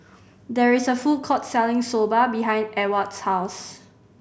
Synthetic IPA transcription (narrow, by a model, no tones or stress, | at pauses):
dɛɹisəfukʰɔtsɛlɪ̃ŋsobəbiɦãj̃ndɛwətshaʊs